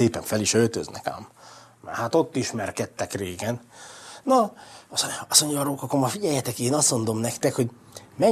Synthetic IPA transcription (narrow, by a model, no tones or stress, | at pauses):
eːpɛɱfɛliʃølt̪ø̰znɛ̰ka̰ːm | mɛ̰haːt̪o̞t̪ːiʃmɛrkɛt̪ːɛkreːɡɛnnɒsɒso̞ɲɟɒɾoːkɒkːoɾmɒfiɟɛjːɛt̪ɛkeːnɒst̪mo̞nd̪o̞mnɛkt̪ɛkho̞ɟ | mɛ